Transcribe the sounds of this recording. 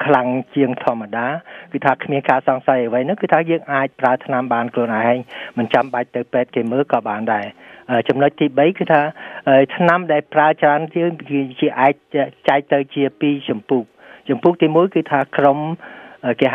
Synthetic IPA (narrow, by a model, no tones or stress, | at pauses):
kʰlaŋt͡ɕiəŋt̪ʰŏəmːaɗaːkɨːt̪ʰaːkʰmiənkaːsɑŋsajəʋəjnɨŋkɨːt̪ʰaːjəːŋʔaːc̚praət̪ʰnamɓaːnkʰluənʔaɛɦaːɲmɨnt͡ɕamɓac̚t̪ɨwpɛːt̪̚keːməːlkɑːɓaːnɗaɛʔəːt͡ɕɑmnoc̚t̪iːɓəjkɨːt̪ʰaːʔəːjt̪ʰnamɗaɛlpraət͡ɕraənriəwt͡ɕiəʔaɛc̚t͡ɕaɛk̚t̪ɨwt͡ɕiəpiːt͡ɕɑmpuːk̚t͡ɕɑmpuːk̚t̪iːmuəjkɨːt̪ʰaːkromʔəkeːɦ